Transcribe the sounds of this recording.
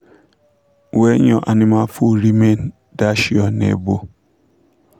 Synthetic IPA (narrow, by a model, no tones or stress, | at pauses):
wɛɲɔ̃ʔanĩmafuɾimen | daʃiɔnḛbo